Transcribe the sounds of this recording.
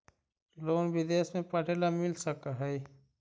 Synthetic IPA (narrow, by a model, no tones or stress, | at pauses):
loːnbɪd̪eːsmẽpəɽʱeːlamɪlsəkaɦɛi